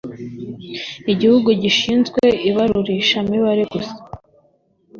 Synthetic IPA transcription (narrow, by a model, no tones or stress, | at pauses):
iɟihuɡuɟiʃiːnzɡwe̞iβaɾuɾiʃamiβaɾeɡusḁ